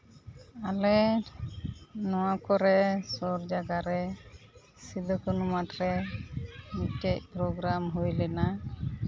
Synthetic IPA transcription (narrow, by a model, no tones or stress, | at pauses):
alɛ | nɔwakɔɾɛsɔɾd͡ʒaɡaɾɛ | sid̪ɔkɔnumatɾɛ | mitɛc̚pɾɔɡɾamɦujlɛna